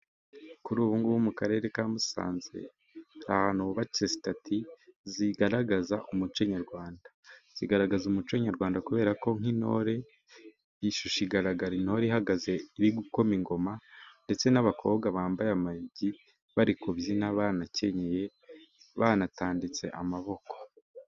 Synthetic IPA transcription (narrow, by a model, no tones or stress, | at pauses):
kuɾuːβuːŋɡuwumukaɾe̞ɾe̞kaːmusa̰ːnze̞̰ | hahanuβat͡ʃezitatʰiziɡaɾaɡazaʔumut͡ʃeɲaɾɡwaːndḁz̥iɡaɾaɡazumut͡ʃweɲaɾɡwaːndakuβe̞ːɾako̞ŋ̥ino̞̰ɾe̞ | iʃuʃiɡaɾaɡaɾinoɾiɦaɡaze̞iɾiɡuko̞miŋɡo̞mande̞t͡se̞naβakʰo̞βɡaβaːmbajamajiɟi | βaɾikoβzinaβanace̞ɲeje̞βanataːndit͡se̞̰ʔa̰maβo̞ko̥